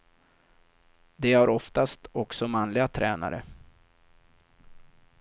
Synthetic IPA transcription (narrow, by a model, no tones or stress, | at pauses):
d̪ɛaɾɔft̪ast̪ɔksɔmanlɪɡat̪ʰɾɛːna̰ɾə̰